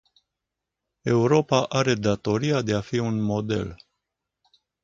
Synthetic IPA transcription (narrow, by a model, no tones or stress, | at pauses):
e̞uɾo̞paʔaɾe̞d̪at̪o̞ɾiad̪e̞afiunmo̞d̪e̞̰l